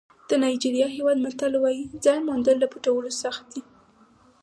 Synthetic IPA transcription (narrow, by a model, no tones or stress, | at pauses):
d̪̥ənɑjd͡ʒiɾijɑɦewɑd̪maɾt̪alwɑjid͡zɑjnmond̪əlːapuʈawəlosaxt̪̚d̪i